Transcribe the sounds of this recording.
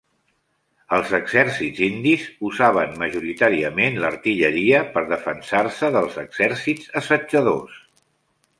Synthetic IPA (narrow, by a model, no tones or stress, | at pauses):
əlˠzəɡzɛɾsidzind̪izuzaβ̞ənməʒuɾit̪aɾiəmenləɾt̪iʎəɾiəpəɾðəfənsarsəðəlˠzəɡz̥ɛɾsidzəsəd͡ʒəðo̰s